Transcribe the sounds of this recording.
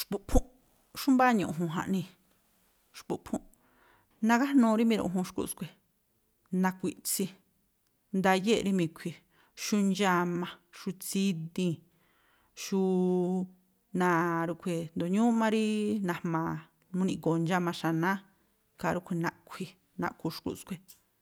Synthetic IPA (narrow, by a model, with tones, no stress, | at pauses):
ʃpu˧ʔpʰũ˦ʔ | ʃu˦mbaː˦ɲũ˧ʔɦũ˧˨ɦã̰˧ʔnĩ˧ | ʃpu˧ʔpʰũ˦ʔ | nã˧ka˦hnũː˧ɾi˦mĩ˧ɾṵ̃˧˨˧ɦũ˧ʃkṵ˧˨skʷe˨ | nã˧kʷi˧ʔt͡si˧ | nd̪a˧je˦˨˧ɾi˧mĩ˧˨kʷʰi˧ | ʃu˧nd͡ʒa˧mã˧ʃu˧t͡si˦d̪ĩ˧ | ʃu˧ | nã˧˨ɾu˧kʷʰe˧˨nd̪o˨ɲũ˦mã˦ɾi˦nã˧˨mãː˨ | mũ˦nĩ˧ko˨nd͡ʒa˧mã˧ʃa˧nã˦ | ka˧ɾu˧kʷʰe˧nã˧ʔkʷʰi˧ | nã̰˧ku˧ʃkṵ˧ʔskʷe˧